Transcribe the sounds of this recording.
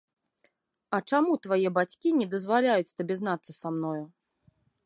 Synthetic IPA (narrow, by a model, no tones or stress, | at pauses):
ɐt͡ʂamut̪vajɛbat͡sʲkʲinʲɛd̪ɐzvalʲajut͡sʲt̪abʲɛzn̪at̪sːɐsamnɔju